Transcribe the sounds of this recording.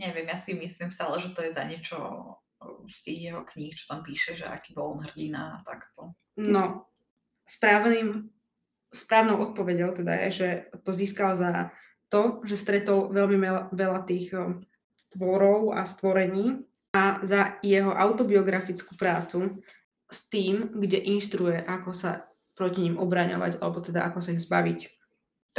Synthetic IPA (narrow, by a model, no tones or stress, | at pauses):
ɲɛʋɪɛmjasimislimst̪aːlɛʒɛt̪ɔjɛza̰ɲɪɛt͡ʃɔ̰ | st̪iːɣjɛɦɔkɲixt͡ʃɔ̥t̪ampiːʃɛʒɛ̰a̰kibɔlˠɔnɦr̩ɟina̰ːt̪akt̪ɔ | nɔ | spɾaːʋniːm | spɾaːʊnɔʊʔɔt̪̚pɔʋɛɟɔʊt̪ɛd̪a̰jɛ̰ʒɛt̪ɔziːskalza | t̪ɔʒɛst̪ɾɛt̪ɔlʋɛlmiɛʋɛlat̪iːx | t̪ʋɔɾɔʊa̰st̪ʋɔɾɛɲiː | azajɛɦɔʔaʊt̪ɔbiɔɡɾafit͡skupɾaːt͡su | st̪iːmɡɟɛʔinʃt̪ɾujɛʔakɔsa̰ | pɾɔciɲimʔɔbɾaɲɔ̰ʋa̰ɟa̰lɛbɔt̪ɛd̪aʔakɔsaiɣzbaʋic